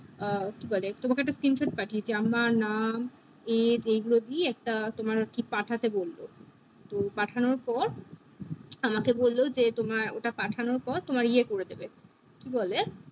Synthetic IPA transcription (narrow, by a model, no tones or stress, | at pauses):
kibolet̪omakeɛkʈaskɾinʃʰeʈ̚paʈʰied͡ʑeamaɾnam | ed͡ʑejɡulod̪ieɛk̚ʈat̪omaɾʈʰik̚paʈʰat̪ebolːo | t̪opaʈʰanoɾpɔɾ | amakebolːod͡ʑet̪omaɾo̰ʈapaʈʰanoɾpɔɾt̪omaɾiekoɾed̪ebe | kibole